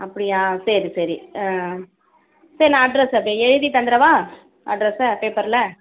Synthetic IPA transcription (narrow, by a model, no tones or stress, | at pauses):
ɐpːɐɽɪjãːsɛɾisɐɾi | sɐɾinãːɐɖɾɛsɐpːɽiɛɻɯðit̪ɐnd̪ɪɾɐʋãː | ɐ̰ɖɾɛspeːpɐɾlɐ